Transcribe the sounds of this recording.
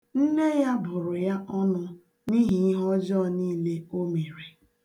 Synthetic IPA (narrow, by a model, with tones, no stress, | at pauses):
n̩˦ne˦ja˦bʊ˨ɾʊ˨ja˦ʔɔ˦nʊ˦ | ni˦ɦi˨˦ɦɔ˦d͡ʒɔ˦˨niː˦˨le˦o˦me˨ɾe˨